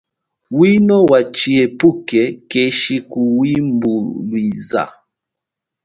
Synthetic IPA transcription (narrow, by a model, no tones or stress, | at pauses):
winɔwat͡ʃiɛpukɛkɛʃikuwimbulwiza̰